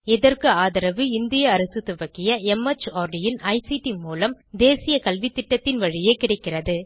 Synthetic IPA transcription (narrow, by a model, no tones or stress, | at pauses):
ɛðɐrkɯaːðɐɾɐʋɯɪnd̪ɪjɐːɾɐsɯt̪ɯbɐkːɪjɐɛmɐt͡ʃːaːɾɖɪjɪnɐɪsiʈimuːlɐmd̪eːsɪjɐkɐlʋit̪ːɪʈːɐt̪ːɪnʋɐɻɪjeːkɪɽɐɪkːɪrɐðɯ